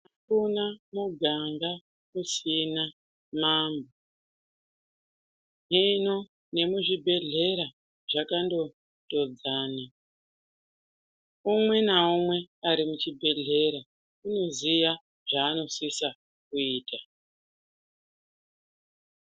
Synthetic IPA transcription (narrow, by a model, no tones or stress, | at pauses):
akunamuɡʱaŋɡa | kusina | maːmbo | ɦino | ne̞muʐibʱe̞ɮe̞ɾa | ʐakando̞ | to̞d͡zaːna | umwe̞naomwe̞aɾimut͡ʃibʱe̞ɮe̞ɾa | uno̞zija | ʐ̥aːno̞sisa | kuiːta